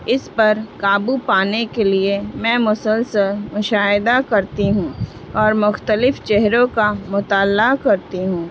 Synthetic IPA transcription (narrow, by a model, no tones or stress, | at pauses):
ɪspɐɾkaːbupaːnekeliemɛ̃ːmʊsəlsəlmʊʃaːɪd̪akɐɾt̪iɦũː | ɔːɾmʊxt̪əlɪft͡ʃɛɦɾõkamʊt̪aːlakɐɾt̪iɦũː